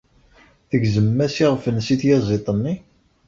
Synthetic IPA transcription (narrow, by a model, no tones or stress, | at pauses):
θəɡzəmːæsiʁəfənːsiθjɑzˤet̪ˤənːi